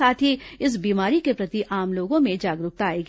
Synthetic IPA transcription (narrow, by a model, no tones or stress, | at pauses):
aːt̪ʰiɪs̬biːmaːɾikepɾɐt̪iʔaːmloːɡõmẽd͡ʒaːɡɾʊk̚t̪aːeːɡi